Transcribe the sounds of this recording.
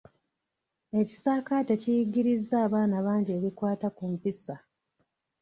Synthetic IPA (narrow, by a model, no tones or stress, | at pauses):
e̞ci̥saːkatecijiɡiɾizːaːβaːnaβaːɲɟe̞βikwaːtakumpisa